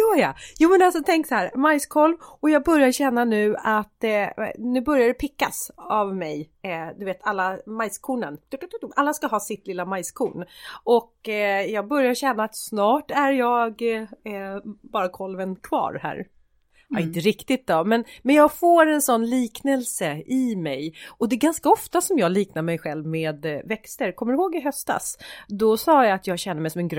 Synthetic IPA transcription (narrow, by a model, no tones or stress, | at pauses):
jœːjajuːmɛnalsɔt̪ʰɛŋksɔhæːɾmajskʰɔlvɔjɑːɡ̚bœɾjaɾɕɛnːanʉ̟ːat̪nʉ̟ːbœɾjad̪ɛpʰɪkːasavmɛjd̪ɵveːt̪ʰalːamajskʰuːɳə̰nd̪t̪ʔalːaskaɦɑːsɪt̪lɪlːamajskʰuːɳʔɔkjɑːɡ̚bœɾjaɾɕɛnːaːt̪snɑːʈæɾjɑːɡ | bɑːɾakʰɔlvənkʰvɑ̰ːɾhæ̰ːɾ | aɾɪnt̪əɾɪkt̪ɪt̪̚d̪ɔmɛnmɛnjɑːɡfoːɾɛnsɔnːliːknɛlsəʔɪmɛjɔd̪ɛɡanskaɔft̪asɔmjɑːɡliːknaɾmɛjɧɛlvmeːd̪vɛkst̪əɾkʰɔmːəɾɪhoːɡɪɦœst̪a̰sd̪ɔsɑːjaat̪ʰjɑːɡɕɛnːəɾmɛjsɔmɛnɡɾ